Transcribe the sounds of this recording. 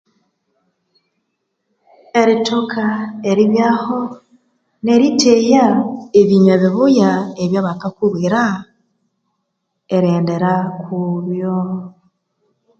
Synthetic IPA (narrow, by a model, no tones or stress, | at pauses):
e̞ɾitokʰaeɾiβjaːho | ne̞ɾitʰejaeβiɲeβiβujaeβjaβakakuβwiɾa | eɾeːnde̞ɾakʰuβjo